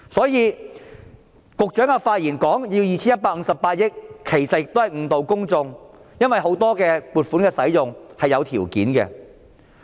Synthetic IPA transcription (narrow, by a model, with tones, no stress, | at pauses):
sɔː˨˥jiː˨˧ | kʊ˨k̚t͡ʃœː˨˥ŋa˧faː˧t̚jiː˨˩nkɔː˨˥ŋjiː˧wjiː˨˩t͡sʰi˥jɐ˥t̚paː˧k̚ŋ̩˧˥sɐ˨pːaː˧t̚jɪ˥k̚kʰe˨˩jsɐt̚jɪ˨k̚t̪o˥hɐ˨˩jŋ̩˨˧t̪o˨wkʊ˥ŋt͡sʊ˧ŋjɐ˥nwɐ˨jɦo˨˥wt̪ɔː˥kɛː˧puː˨˩t̚fuː˨˥nkɛː˧sɐ˨˥jjʊ˨ŋhɐ˨jɐ˨˧wt̪ʰiː˨˩wkiː˨˥nkɛ̰˧